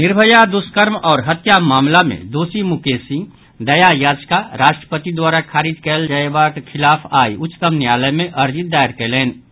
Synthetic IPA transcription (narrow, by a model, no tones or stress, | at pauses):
nɪɾbʱəjad̪ʊskəɾmɔːɾɦɐt̪jamaːmlamḛ̃d̪oːsimʊkeːsĩ | d̪ɐjajaːd͡ʒkaɾaːʃʈɾə̥pət̪id̪waːɾakʰaːɾid͡ʒkɛːld͡ʒəebakkʰːɪlaːpʰaːiʊt͡ʃt̪əmnjaːləmẽʔɐɾd͡ʒɪt̪̚d̪aːəɾkeleːn